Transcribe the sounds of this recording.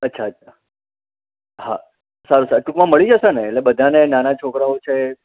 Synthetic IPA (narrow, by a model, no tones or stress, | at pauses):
ətːʃʰaətt͡ʃʰa | ha̰ | saɾusaɾʈukmãməɭid͡ʒəʃeneːʈlebəd̪ʱanenanat͡ʃʰokɾaot͡ʃʰe